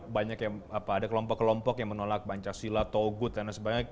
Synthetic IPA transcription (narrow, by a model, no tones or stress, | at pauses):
baɲakjaŋapaːdakəlɔmpɔkːəlɔmpɔkjaŋmənolak̚baɲt͡ʃasilat̪oɡʊt̪̚dandasəbaɡaj